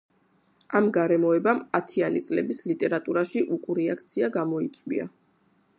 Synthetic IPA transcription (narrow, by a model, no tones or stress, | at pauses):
amɡaɾɛmɔɛbamat̪ʰianit̪sʼlɛbislit̪ʼɛɾat̪ʼuɾaʃiʔukʼuɾɛakʰt̪sʰiaɡamɔit̪sʼwḭa̰